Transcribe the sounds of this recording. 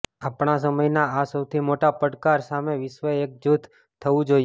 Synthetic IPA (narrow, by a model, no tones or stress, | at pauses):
apɳ̃asəməjnaasəwt̪ʰimoʈapəɽkaɾsameʋɪʃʋəek̚d͡ʒut̪ | t̪ʰːəʋũd͡ʒoj